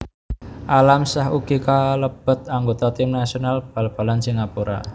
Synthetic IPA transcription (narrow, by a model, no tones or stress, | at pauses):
ʔalamsahuɡ̥ikaləb̥ə̤t̪̚aŋɡot̪ɔt̪ɪmnasionalb̥a̤lb̥a̤lansiŋapuɾa̰